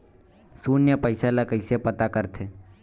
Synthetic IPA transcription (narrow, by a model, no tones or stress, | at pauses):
suːnjəpəɪsalakəɪsepət̪akəɾt̪ʰeː